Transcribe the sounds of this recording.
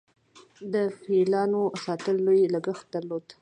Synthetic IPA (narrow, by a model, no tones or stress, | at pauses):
d̪əfilɑnosɑt̪əlːojlaɡəxt̪̚d̪aɾlod̪